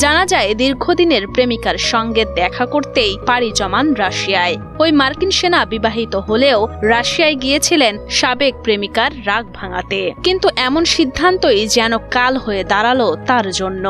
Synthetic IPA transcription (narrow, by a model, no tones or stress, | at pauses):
d͡ʑanad͡ʑaed̪iɾɡʱod̪ineɾpɾemikaɾʃɔŋɡed̪ɛkʰakoɾt̪ejpaɽid͡ʑɔmanɾaʃiae | ojmaɾkinʃenabibaɦit̪oɦoleoɾaʃiaeɡijet͡ɕʰilenʃabek̚pɾemikaɾːaɡ̚bʱaŋa̰t̪ekint̪uʔɛmonʃid̪ʱːant̪ojd͡ʑɛnokalɦoed̪aɾalot̪aɾd͡ʑonːo